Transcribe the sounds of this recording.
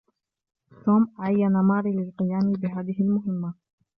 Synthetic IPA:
t̪oːmʔaʕajːanamɑːɾilɪlqɨjaːmɪbɪɦaːðɪɦɪlmʊɦɪmːa

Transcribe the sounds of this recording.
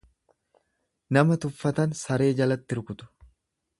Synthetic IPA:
nɐmɐt̪ʊfːɐt̪ɐnsɐɾe̞ːd͡ʒɐlɐt̪ːɪɾkʊt̪ʊ̥

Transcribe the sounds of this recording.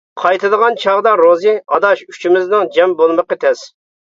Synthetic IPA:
qʰɑjt̪ɨd̪əʁɑnt͡ʃʰɑʁd̪ɑɾozɨɑd̪ɑʃy̥t͡ʃʰimɪznɪŋd͡ʒɛmbolˠməqət̪ʰɛs

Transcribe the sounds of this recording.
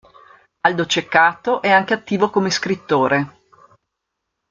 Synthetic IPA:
ald̪ot͡ʃekːaːt̪oʔɛaŋkeat̪ːiːvokomeskɾit̪ːoːɾe

